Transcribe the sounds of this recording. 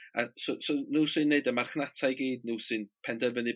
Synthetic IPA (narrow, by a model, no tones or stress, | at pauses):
a̰sosonuːsɨnːeɨdəmarχnatʰajɡiːdnusɨnpʰɛndɛvənɨ